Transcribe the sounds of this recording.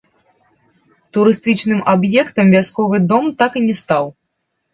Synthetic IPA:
t̪uɾɨst̪ɨt͡ʂnɨmabjɛkt̪ɐmvʲaskɔvɨd̪ɔmt̪akɨnʲɛst̪aw

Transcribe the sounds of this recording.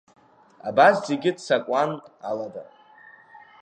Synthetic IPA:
abaszeɡʲɪdsakʷʼanalada

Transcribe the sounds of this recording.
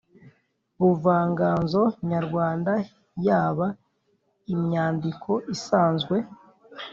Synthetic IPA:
βuvaːŋɡaːnzo̞ɲaɾɡwaːnda | jaːβa | imɲaːndikʰo̞ʔisaːnzɡwe̞

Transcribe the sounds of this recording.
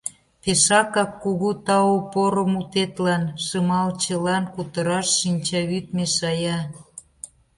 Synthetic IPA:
peʃɑkɑkːuɣut̪ɑopoɾəmut̪et̪lɑnʃəmɑlt͡ɕəlɑnkut̪əɾɑʃːinʲt͡ɕɑβyt̪meʃɑjɑ

